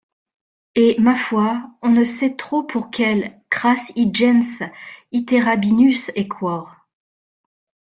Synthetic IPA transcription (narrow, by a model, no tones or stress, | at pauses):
emafwaɔ̃nəsɛt̪χopʰuʁkʲɛlkχasid͡ʒɛnsit̪eʁabinysɛkʰwɔʁ